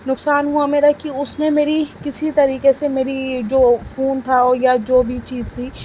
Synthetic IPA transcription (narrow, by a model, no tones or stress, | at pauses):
nʊksaːnɦuameːɾakiʊsnemeːɾikɪsit̪ɐɾiːkesemeːɾid͡ʒoːfoːnt̪ʰaɔːɾjad͡ʒoːbʱit͡ʃiːzt̪ʰiː